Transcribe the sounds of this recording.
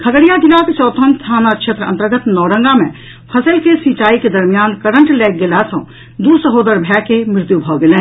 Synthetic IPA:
kʰɐɡəɽɪjaːɡɪlaːket͡ʃɔːt̪ʰənst̪ʰaːnakʃʰet̪ɾəɐ̰̃nt̪əɾɡət̪nɔːɽə̃ŋɡamẽ | pʰɐsəlkesĩːt͡ʃaːiked̪ɐɾmijaːnkɐɾə̃ɳʈlɛːk̚ɡɪlasɐ̃ | d̪usəɦoːd̪əɾbʱɛːkemɪɾɪt̪jubʱɔːɡɪlẽː

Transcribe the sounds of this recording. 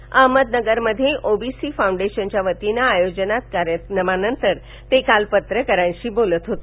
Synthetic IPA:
əɦməd̪nəɡəɾməd̪ʱːjeʔobisifaw̃ɳɖeɕənt͡ɕjaʋət̪inaːjod͡ʑənat̪̚kaɾjənəmanənt̪əɾ | t̪ekalpət̪ɾəkəɾãjɕibolət̪ɦot̪o

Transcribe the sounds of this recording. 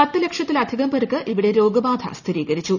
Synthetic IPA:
pɐt̪ːɨle̞kʂjɐt̪ːilɐd̪ʱiɣɐmpɐɾɨkːɨʔiʋiɽe̞ɾo̞ːɡɐbaːd̪ʱʰɐ̰st̪ʰiɾiːɣɐɾit͡ɕːu

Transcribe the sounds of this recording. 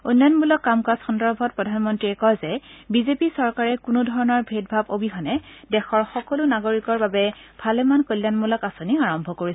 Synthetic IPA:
ujnːɔjnmulɔkːamkasxɔndɔɹbʱɔt̚pɹɔdʱanmɔntɹiɛkɔjzɛbizepisɔɹkaɹɛkunʊdʱɔɹɔnɔɹbʱet̚bʱabobiɦɔnɛ | dɛxɔɹxɔkɔlʊnaɡoɹikɔɹbabɛ | bʱalɛmankolːanmulɔkasoniaɹɔmbʱɔkoɹis

